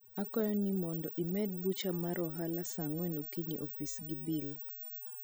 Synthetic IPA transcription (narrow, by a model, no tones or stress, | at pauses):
akɔjɔnimɔndɔʔimɛd̚but͡ʃamaɾɔɦalasaŋwɛnokiɲḭʔɔfisɡibil